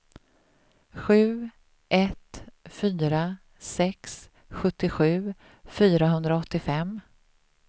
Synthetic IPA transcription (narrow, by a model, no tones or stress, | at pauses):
ɧʉ̟ː | ʔɛt̪fyːɾa | sɛks | ɧɵt̪ːɪɧʉ̟ː | fyːɾaɦɵnd̪ɾaɔt̪ːɪfɛm